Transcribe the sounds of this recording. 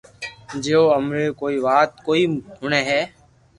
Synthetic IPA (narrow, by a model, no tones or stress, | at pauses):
d͡ʒeːoːəmɾeːkoːiːʋaːt̪̚koːiːɦʊneːɦɛː